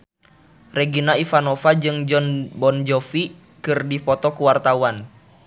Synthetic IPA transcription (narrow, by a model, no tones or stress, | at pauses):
reɡinaifanɔfad͡ʒɨŋd͡ʒɔnbɔnd͡ʒɔfi | kɨrdipɔt̪ɔkuwart̪awan